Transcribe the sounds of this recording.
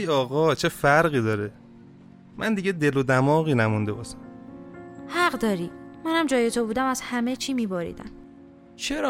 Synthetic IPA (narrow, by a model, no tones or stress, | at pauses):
jɒːɣɒːt͡ʃʰefæɾɣiːd̪ɒːɾe | mʔænd̪iɟed̪elod̪æmɒːɣiːnæmund̪ebɒːʃæ̥m | hæɢd̪ɒːɾiːmænæmd͡ʒɒːjet̪ʰobuːd̪æmæz̥hæme̞t͡ʃʰiːmiːbɒɾḭːd̪æ̰n | t͡ʃʰeɾɒ